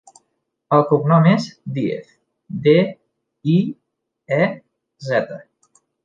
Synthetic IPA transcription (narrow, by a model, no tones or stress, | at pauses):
əlˠkuɡnɔmezd̪iḛθ | d̪e | i | ɛ | zɛt̪ə